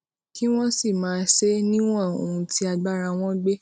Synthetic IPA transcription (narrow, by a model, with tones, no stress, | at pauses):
ki˦w̃ɔ̃˦si˦˨mãː˨˦ʃe˦nĩ˦w̃ɔ̃˦˨o̰˨hũ˧ti˦a˧ɡ͡ba˦ɾa˧w̃ɔ̃˦ɡ͡be˦